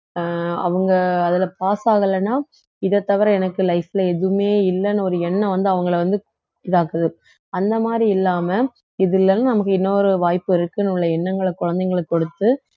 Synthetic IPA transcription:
ɐ̰ʋɐŋɡɐɐðɪlɐpaːsaːɣɐlːɐnːaː | ɪðɐt̪ːɐʋɐɾɛɛnɐkːɯlɐɪfɪlɐɛðɯmeːɪlːɐnːɐɔɾɯɛnːɐ̃ʋɐnd̪ɯɐʋɐŋɡɐɭʋɐnd̪ɯku | ʈːɪɽaːkɐðɯ | ɐnd̪ɐmaːd̪ɾiɪlːaːmɐ | ɪðɪlːɐnːaːnɐmɐkːɯɪnːoɾɯʋaːjpːɯɪɾɯkːɯnʊɭːɐɛnːɐŋɡɐɭɐkʊɻɐnd̪ɐɪŋɡɐɭɐkːɔɽɯt̪ːɯ

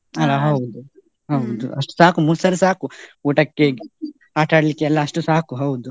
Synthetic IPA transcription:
ɐlɐɦɐwd̪u | ɦɐwd̪ṵʔɐʂʈu̥saːɐkumusɐɾusaːkuuːʈɐkːeɡ | aːʈaːɽɐlikːeɐlːɐɐʂʈusaːɦɐkuɦɐwd̪u

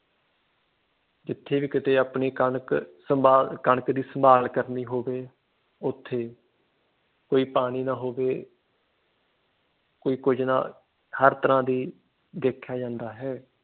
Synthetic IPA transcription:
d͡ʒɪt̪ʰːeːʋiːkɪt̪eːaːpɳeːkəɳəksəmaːkəɳkd̪iːsəmbaːlkəɾniːɦoːʋeː | ʊt̪ʰːeː | koːiːpaːɽ̃iːnãːɦoːʋeː | koːiːkʊd͡ʒnã̰ː | həɾt̪əɾãːd̪iː | d̪eːkʰːjaːd͡ʒãːnd̪aːɦɛː

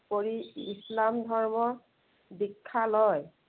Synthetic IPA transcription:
poɹiislamdʱɔɹmɔ | bikʰːalɔj

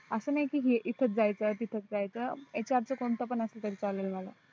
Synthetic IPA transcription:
əsənajkiːɦiʔit̪ʰət͡s̪̚d͡zajt͡sət̪it̪ʰət͡sd͡zajt͡səet͡ɕaɾt͡səkont̪əpənəselt̪əɾiːt͡salelməla̰

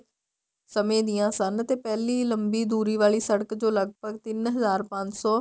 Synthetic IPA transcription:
səmẽːd̪ijãːsənt̪eːpɛːliːləmbiːd̪uːɾiːʋaːɭiːsəɽəkd͡ʒoːləɡ̚bʱəɡt̪ɪnɦəzaːɾpə̃ɲd͡ʒsɔː

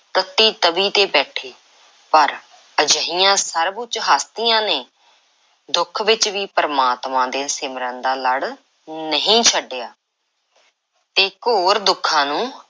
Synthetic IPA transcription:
t̪ət̪ːiːt̪əbiːt̪eːbɛːʈʰeː | pəɾ | əd͡ʒəɦijãːsəɾbʊt͡ʃɦaːst̪ijãːneː | d̪ʊkʰʋɪt͡ʃʋiːpəɾəmaːt̪mãːd̪eːsɪmɾə̃nd̪aːləɽ | nəɦĩːt͡ʃʰəɖːejaː | t̪eːkoːɾd̪ʊkʰːãːnũː

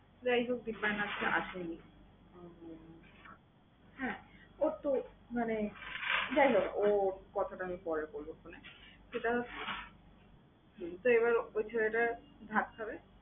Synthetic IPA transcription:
d͡ʑajɦok̚d̪ibanastʰeʔa̰ʃeni | hɛ̃oɾt̪omane | d͡ʑajɦokokɔt̪ʰaʈaamipɔɾekoɾbokoneʃeʈaɦoe | t̪oeβaɾojt͡ɕʰeɾeʈa | d̪ʱãt̪̚pʰabe

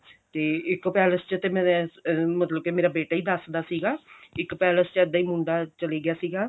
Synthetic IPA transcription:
t̪eːɪkpɛːləst͡ʃət̪eːmɛ̃ːmət̪ləb̚kemeːɾaːbeːʈaːiːd̪əsd̪aːsiːɡaːɪkːpɛːləst͡ʃəd̪ːaːiːmʊ̃ɳɖ̪aːt͡ʃəliːɡɪjaːsiːɡaː

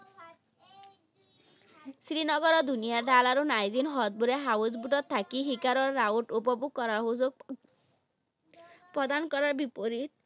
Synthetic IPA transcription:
sɾinɔɡɔɾɔd̪unijaɾd̪alaɾunajzinɦɔt̪̚buɾɛɦawuzbuʈɔt̪ʰːakiɦikaɾɔɾːauʈupɔbuɡ̚kɔɾaɾɦuzoɡ | pɾɔd̪ankɔɾaɾbipoɾit̪̚

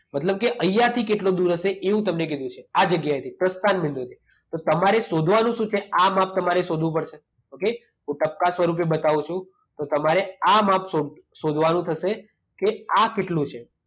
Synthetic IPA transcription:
mət̪ləb̚keʔəjat̪ʰikeʈlod̪uɾəʃeʔeʋũt̪əmnekid̪ũt͡ʃʰead͡ʒəɡjaet̪ʰipɾəst̪anmɪnd̪ũt̪ʰi | t̪ot̪əmaɾesod̪ʱʋanũʃũt͡ʃʰeamap̚t̪əmaɾesod̪ʱʋũpəɽʃʰe | oke | ɦũʈəp̚kasʋəɾup̬ebət̪aʋũt͡ʃʰũ | t̪ot̪əmaɾeamapso | sod̪ʱʋanũt̪ʰəʃe | keakeʈlũt͡ʃʰe

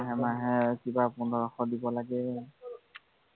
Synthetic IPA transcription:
ɦɛmaɦɛkibapʊndɔɹɔxɔdibɔlaɡɛ

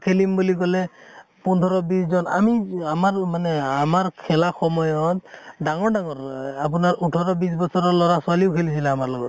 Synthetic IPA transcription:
kʰelimbulikɔlɛ | pundʱɔɾɔbiszɔna̰miamaɹmanɛamaɹkʰɛlaxɔmɔjɔt̪̚ɖaŋɔɹɖaŋɔɹapunaɹuʈʰɔɾɔbisbɔsʰɔɾɔlɔɹasualiʊkʰelisʰilaːmaɹlɔɡɔt̪̚

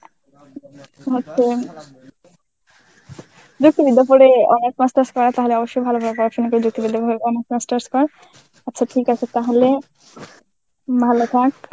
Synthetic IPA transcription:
ɦotːɕʰe | d͡ʑuk̚t̪ibid̪ːapoɾeɔnek̚masʈaɾskɔɾat̪aɦoleɔboʃːojbʱalobʱalpɔɾaʃonikoɾed͡ʑuk̚t̪ibid̪ːapooeɔnekmasʈaɾskɔɾ | atːɕʰaʈʰikat͡ɕʰet̪aɦole | bʱalot̪ʰak̚

